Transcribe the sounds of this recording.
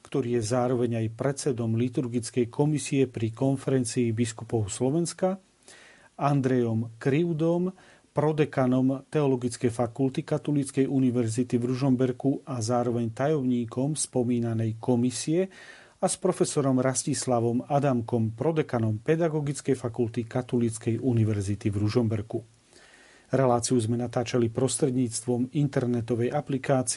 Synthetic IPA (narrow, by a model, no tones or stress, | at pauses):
kt̪ɔɾiːjɛzaːɾɔʋɛɲajpɾɛt͡sɛd̪ɔmlit̪uɾɡit͡skɛjkʰɔmisiɛpɾikɔnfɛɾɛnt͡siːbiskupɔʊslɔʋɛnska | and̪ɾɛjɔmkɾiʊd̪ɔm | pɾɔd̪ɛkanɔmt̪ɛɔlɔɡit͡skɛjfakult̪ikat̪ɔlit͡skɛjʔuniʋɛɾzit̪ivɾuʒɔmbɛɾkuʔazaːɾɔʋɛɲt̪ajɔmɲiːkɔmspɔmiːnanɛjkɔmisiɛ | aspɾɔfɛsɔɾɔmɾascislaʋɔmad̪amkɔmpɾɔd̪ɛkanɔmpɛd̪aɡɔɡit͡skɛjfakult̪ikat̪ɔlit͡skɛjʔuniʋɛɾzit̪ivɾuʒɔmbɛɾku | ɾɛlaːt͡siuzmɛnat̪aːt͡ʃalipɾɔst̪ɾɛd̪ɲiːt͡st̪ʋɔmint̪ɛɾnɛt̪ɔʋɛjaplikaːt͡si